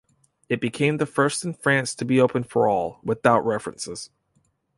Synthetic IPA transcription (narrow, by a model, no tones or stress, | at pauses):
ɨt̚b̥ɨkʰẽɪ̃mðɨfɜ˞stn̩fɹæ̃nstʰɨbioʊpɨ̃nfə̰˞ɔlˠwɨθaʊʔ̚ɹɛfɹɨ̰̃nsɪz̥